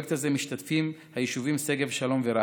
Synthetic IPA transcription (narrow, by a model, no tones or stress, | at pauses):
kt̪hazemiʃt̪atfimhajiʃuvimseɡevʃalo̞mveɾa